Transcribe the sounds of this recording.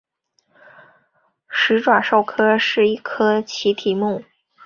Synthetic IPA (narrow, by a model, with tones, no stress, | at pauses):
ʂɻ̩˧˥ʈ͡ʂwa˨˩ʂo˥˩ʊkʰɤ˥ʂɻ̩˥˧i˥˩kʰɤ˥t͡ɕʰi˧˥t̪ʰi˨˩mu˥˩